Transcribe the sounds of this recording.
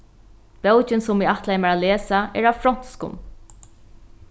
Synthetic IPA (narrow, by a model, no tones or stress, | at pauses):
pɛwt͡ʃɪnsʊmviːaht̪lajmaɹaleːsaɛ̰ɹawfɾɔn̥t̪skʊ̰m